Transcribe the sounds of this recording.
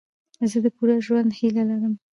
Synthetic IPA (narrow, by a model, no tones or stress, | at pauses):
zəd̪əpuɾaʒwand̪hilalaɾəm